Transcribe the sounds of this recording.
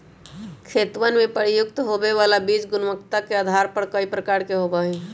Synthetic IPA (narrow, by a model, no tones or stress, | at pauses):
kʰeːt̪ʋənmẽpəɾijʊk̚t̪ɦobeʋalabid͡ʒɡʊnməkt̪akead̪ʱaɾpəɾkəipɾəkaːɾkeɦobaɦɛ